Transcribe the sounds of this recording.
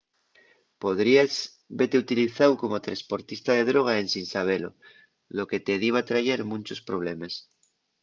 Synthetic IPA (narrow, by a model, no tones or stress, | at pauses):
poðɾiaz | bet̪eut̪iliθawko̞mot̪ɾespo̞ɾt̪ist̪aðe̞ðɾoɣ̞aensinsaβ̞elo̰ | loke̞t̪eðiβ̞at̪ɾaʝeɾmũnʲt͡ʃo̞spɾoβ̞lemes